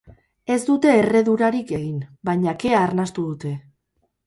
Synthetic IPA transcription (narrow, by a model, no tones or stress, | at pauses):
e̞zd̪ut̪e̞ːre̞ðuɾaɾike̞ɣinbajɲake̞aːɾnast̪uðut̪e̞